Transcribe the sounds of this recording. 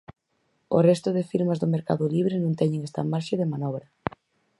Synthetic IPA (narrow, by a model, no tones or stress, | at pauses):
o̰rɛst̪ʊðɪfiɾmɐzðʊmeɾkaðʊliβ̞ɾɪnũŋt̪ɛɲẽŋɛst̪ɐ̰maɾʃeðemanɔβɾɐ